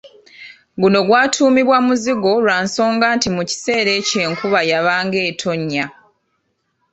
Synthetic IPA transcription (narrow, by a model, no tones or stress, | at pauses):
ɡuno̞ɡwaːtʰuːmiβwamuziɡo̞lwaːnso̞ːŋɡaːntimuci̥se̞ːɾe̞ːce̞ːŋkuβajaβaːŋɡe̞ːtʰo̞ɲːa